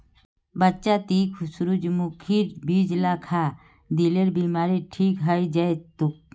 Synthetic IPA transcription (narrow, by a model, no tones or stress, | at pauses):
bətːt͡ʃat̪iːkʰʊsɾud͡ʒmukʰiːɾbiːd͡ʒlakʰa | d̪ileɾbiːmaːɾiʈʰiːkɦəjd͡ʒajt̪uk̚